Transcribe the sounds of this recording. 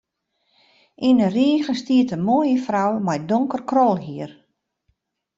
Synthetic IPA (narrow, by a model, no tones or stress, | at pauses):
ʔinəriəɣəstiətəmoːjəfrawmajdoŋkərkrɔlˠɦiər